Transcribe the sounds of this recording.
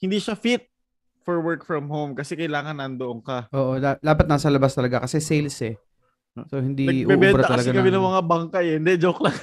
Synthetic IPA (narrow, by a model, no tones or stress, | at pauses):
hɪnd̪iʃɐfit̪̚ | fɔɹwɛɹkfɹɐmɦowmkɐsɛkɐjlaːŋɐnːɐnd̪oʔoŋkɐʔoːʔod̪ad̪aːpɐt̪nasɐlɐbast̪ɐlɐɡakɐsɛsejlsɛ | sohɪnd̪iɐɡʔubɛːbbɛnbɾɐt̪ɐt̪ɐlɐɡakɐmɛnɐŋmɐŋabaŋkɐjɛnd̪ɛd͡ʒoklɐŋ